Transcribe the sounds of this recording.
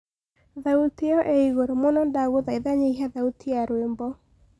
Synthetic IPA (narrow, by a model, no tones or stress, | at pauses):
ðauteɔʔeiɣoɾomonɔndaɣoðaiðaɲeiɦaðautiaɾwembɔ